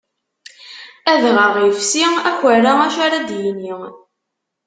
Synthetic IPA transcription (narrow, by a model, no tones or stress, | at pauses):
æðʁəʁjəfsiæçəraæʃaɾad̪jini